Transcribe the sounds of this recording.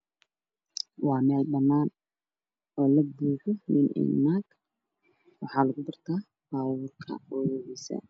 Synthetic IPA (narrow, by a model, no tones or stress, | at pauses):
wɑːmɛːlbɐnːaːn | ɔːlɐbuːħɔmɪnʔɪ̰nnak | wɑħɑːlɐɣʊbɐrt̪ʰaː | b̥aːwʊrkʰɐ̰wɔːwɛwɛsɐ̰